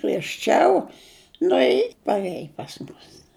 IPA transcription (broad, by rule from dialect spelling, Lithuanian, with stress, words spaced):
ɡrʲiɛʃʲˈt͡ʃʲɛʊ ˈnʊ ɪ pɐrʲˈeːj pɐs ˈmʊs